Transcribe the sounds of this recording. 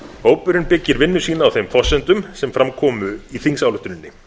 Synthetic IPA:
hoːwpʏɾɪnpɪcːɪɾvɪnːʏ̥siːnaːwθejmfɔsɛnt̪ʏmsɛmfɾʔamkʰɔːmʏiθiŋsawlʏht̪ʏnɪnːɪ

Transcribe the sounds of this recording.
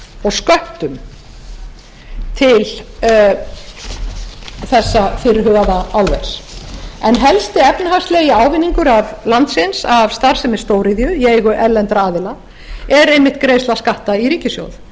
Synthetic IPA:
ɔɣskœht̪ʏm | t̪ʰɪl | θɛsːafɪɾɪɦʏɣaðaawlve̥sɛnɦɛlst̪ɪɛpnʏɦast̪leɣɪaːwvɪnːiŋkʏɾavlant̪sɪnsavst̪aɾ̥sɛmɛɾ̥st̪oːwɾiðjʏjeːjɣʏʔɛlːɛnt̪ɾaaːðɪla | ɛɾejmːɪht̪kɾejslaskaht̪aiɾiːcɪsjo̰wð

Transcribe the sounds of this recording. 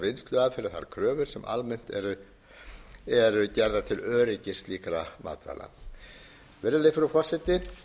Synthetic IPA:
vɪnst̪lœːɣafɪɾɪɾ̥θa̰ɾkʰɾœːvʏɾ̥sɛmʔa̰lmɛn̥t̪ɛɾʏ | ɛɾʏcɛɾðat̪ʰɪlœːɾɪcɪst̪liːkɾama̰ːt̪a̰la̰ | vɛɾðɪlɪfɪɾʏfɔrsɪt̪ɪ

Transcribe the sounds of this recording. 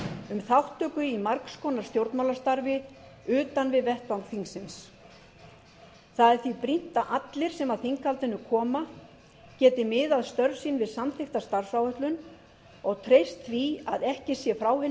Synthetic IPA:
ʏmθawht̪ʰːœːkʏimaɾkskɔnaɾ̥st̪jowɾt̪nmawlast̪aɾvɪʏːt̪anvɪðvɛht̪̚pawŋkθiŋsɪns | θaðɛɾθvipɾin̥t̪aʔat̪lɪɾ̥sɛmaðθiŋkalt̪ɪnːʏkʰɔːma | cɛːt̪ɪmɪðaðst̪œɾvsiːnvɪðsamθɪxt̪ast̪aɾ̥sawœht̪lʏn | ɔɣt̪ʰɾejst̪θvia̰ðɛhcɪsjɛfɾawhɪn

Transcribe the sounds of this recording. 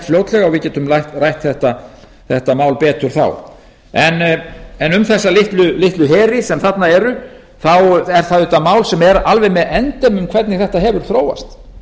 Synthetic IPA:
t̪fljoːwt̪lɛɣaɣvɪðcɛːt̪ʏmlajht̪rajht̪θɛht̪a | θɛht̪amaːwlpɛːt̪ʏɾ̥θa̰w | ɛnɛnʏmθɛsːalɪht̪lʏlɪht̪lʏɦɛːɾɪsɛmθat̪naɛɾʏ | θawɛɾ̥θaðʏht̪amaːwlsɛmɛɾalvɛjmɛðɛnt̪ɛmʏmkʰvɛt̪nɪɣθɛht̪aɦɛːvʏɾ̥θɾoːwa̰st̪

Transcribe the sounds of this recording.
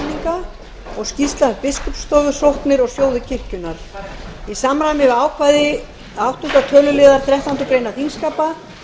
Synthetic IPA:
niŋka | ɔɣscist̪lapɪskʏpst̪ɔːɣʏ̥sowhknɪɾɔɣsjoːwðɪcʰɪr̥cʏnːaɾ̥isamɾamɪvaːwkʰvajðɪ | awht̪unŋk̪at̪ʰœːlʏlɪːðaɾ̥θɾɛht̪awnt̪ʏkɾejnaθinskaːpa

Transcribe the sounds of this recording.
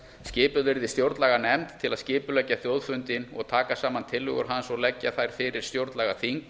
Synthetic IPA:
scɪːpʏvɪɾðɪst̪jowɾt̪laɣanɛmt̪ʰːɪlaðscɪːpʏlɛcːaθjowðfʏnt̪ɪnɔ̰ɣt̪ʰaːkasaːmant̪ʰɪlːʏ̰ɣʏ̰ɾ̥ɦansɔɣlɛcːaθajɾ̥fɪːɾɪɾ̥st̪jowɾt̪laɣaθiŋk

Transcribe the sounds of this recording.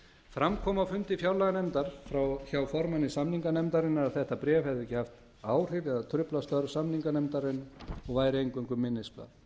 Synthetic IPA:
fɾamkʰɔːmawfʏnt̪ɪfjawlɛɣanɛmt̪aɾ̥fɾawçawfɔɾmanːɪsamniŋkanɛmt̪aɾɪnːaɾaðθɛht̪apɾɛːvhɛvðɪɛcːɪhaft̪ | aːwr̥ɪɾɛðat̪ʰɾʏplast̪œɾsamniŋkanɛmt̪aɾɪnɔɣvaːjɾɪejŋkʏŋkʏmːɪnːɪspla̰ð

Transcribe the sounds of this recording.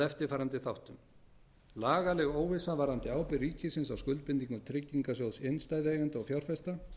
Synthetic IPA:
ɛft̪ɪɾ̥faːjɾant̪ɪθawht̪ʏm | laːɣalɛɣoːwvɪsavaɾant̪ɪaːwpɪriːcɪsɪnsawskʏlt̪̚pɪnt̪iŋkʏt̪ʰɾɪcːiŋkasjowðsɪnst̪aːjðejɣɛnt̪ɔɣfjawr̥fɛst̪a

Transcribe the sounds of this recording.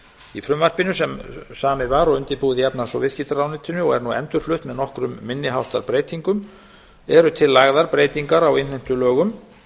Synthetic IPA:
ifɾʏmvar̥pɪnʏsɛmsaːmɪvaɾɔɣʏnt̪ɪpuːðɪjapnḁsɔvɪscit̪aɾawnɪt̪ɪnʏɔɣɛ̰ɾnuɛ̰nt̪ʏɾ̥flʏht̪mɛðnɔhkɾʏmːɪnːɪɦawht̪aɾpɾeːjt̪iŋkʏm | ɛɾʏt̪ʰɪlːaɣðaɾpɾeːjt̪iŋkaɾawenlɛjn̥t̪ʏlœːɣʏm

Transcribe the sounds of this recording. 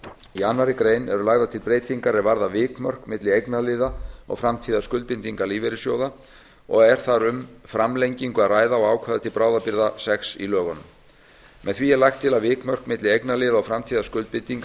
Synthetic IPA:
ianːaɾɪkɾeːjnɛɾʏlaɣðat̪ʰɪlpɾeːjt̪iŋkaɾɛɾvaɾðavɪːkmœr̥kmɪt̪lɪejknalɪːðaɔ̰ɣfɾamt̪ʰiːðaskʏlt̪̚pɪnt̪iŋkaliːvɛɾɪsjoːwða | ɔɣɛɾ̥θaɾʏmfɾamlejɲciŋkʏaðraːjðaɔɣaːwkʰvaːðat̪ʰɪlpɾaːwðapɪɾðasɛksḭlœːɣɔnʏm | mɛ̰ðθviɛlajxt̪ʰːɪlavɪːkmœr̥kmɪt̪lɪejknalɪːðaɔɣfɾamt̪ʰiːðaskʏlt̪pɪnt̪iŋk

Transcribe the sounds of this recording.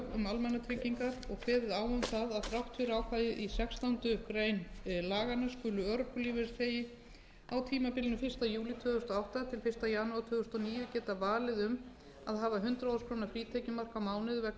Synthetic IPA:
ɣʏmalmɛnːat̪ʰɾɪciŋkaɾɔɣkʰvɛːðɪðaːwʏmθaðaðθɾawht̪ʰːʏɾaːwfaːjɪðisɛkst̪awnt̪ʏkɾejnlaːɣanaskʏːlʏœɾʏpʏliːvɪθeːjɪ | awt̪ʰiːmapɪlɪnʏfɪr̥st̪ajuːlit̪ʰʏːɣʏst̪ɔawht̪at̪ʰɪlfɪr̥st̪ajaːnuwat̪ʰʏːɣʏst̪ɔniːjʏcɛːt̪avaːlɪðʏm | aðɦaːvaɦʏnt̪ɾaaskʰɾoːwnafɾiːt̪ʰejcɪmar̥kawmaːwnɪðvɛ

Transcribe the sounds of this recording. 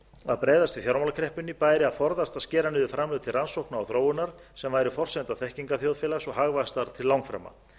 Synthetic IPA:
aðpɾeːjðast̪ʏθjaɾmalakʰɾɛhpʏnːipaːjɾɪaðfɔɾðast̪aðscɛːɾanɪðʏfɾamlʏːðʏt̪ʰɪlransowknaɔwθɾoːwʏnaɾ̥sɛmvaːjɾʏfɔr̥sɛnt̪aθɛhciŋkaθjowðfɪːlasɔɣɦaɣvast̪aɾ̥t̪ʰɪlːawŋkfɾa̰ːmːa̰

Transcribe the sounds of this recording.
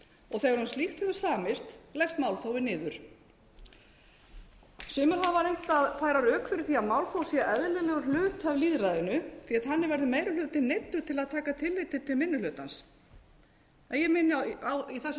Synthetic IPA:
ɔɣθejɣaɾhanst̪ixt̪hʏðʏsaːmɪst̪lɛxst̪maːwlθawɪnɪːðʏɾ̥ | sʏːmʏɾ̥avaɾejn̥t̪aðθajɾaɾœːkfɪɾɪθiaðmawlθowsjɛʔɛðlɪlɛɣʏɾl̥ʏːt̪avliːðɾajðɪnʏθiat̪ɦanːɪvɛɾðʏmeːjɾɪlʏːt̪ɪnejt̪ːʏɾ̥t̪ʰɪlaðt̪ʰaːkat̪ʰɪlːɪt̪ɪt̪ʰɪlmɪnːʏlʏːt̪ans | ɛjɛmɪnɪawiθɛs

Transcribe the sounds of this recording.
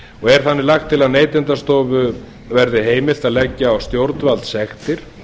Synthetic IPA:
ɔɣɛɾ̥θanːɪlaxt̪ʰːɪlaðneːjt̪ɪnt̪ast̪ɔːvʏ | vɛɾðɪɦeːjmɪlt̪aðlɛcːaawst̪jowɾt̪nvalt̪sɛxt̪ɪɾ̥

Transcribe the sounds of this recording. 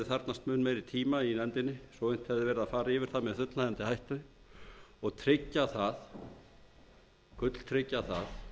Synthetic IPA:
ɪθaɾt̪nast̪mʏnmeːjɾɪt̪ʰiːmainɛnt̪ɪnːɪsɔwejn̥t̪hɛvðɪvɛːɾɪðaðfaːɾaɪːvɪɾ̥θaðmɛðθʏt̪laðant̪ɪhajht̪ʏ | ɔɣt̪ʰɾɪcːaθað | kʏt̪l̥t̪ʰɾɪcːaθað

